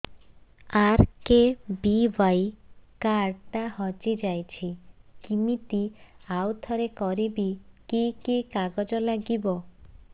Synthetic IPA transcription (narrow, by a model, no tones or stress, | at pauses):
aɾkebibajkaɾʈahɔd͡ʒid͡ʒajt͡ʃʰikimit̪iawt̪ʰɔɾekɔɾibikikikaɡɔd͡ʒɔlaɡibɔ